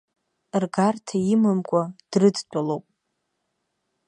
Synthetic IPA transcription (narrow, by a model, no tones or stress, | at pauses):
rɡartʰaimɨmkʷʼad̥rɨdt͡ʃʷʼalowpʼ